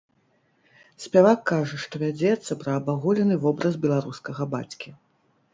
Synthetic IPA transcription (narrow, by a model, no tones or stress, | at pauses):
sʲpʲavakːaʐɐʂt̪ɔvʲad͡zʲɛt̪sːɐpɾɐːbaɣulʲɛnɨvɔbɾɐzbʲɛlˠaɾuskɐɣɐba̰t͡sʲkʲi